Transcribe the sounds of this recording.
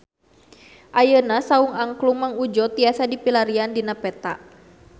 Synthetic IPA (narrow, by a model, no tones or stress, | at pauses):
ʔajənasauŋaŋkluŋmaŋud͡ʒɔt̪iasadipilaɾiandinapɛt̪aʔ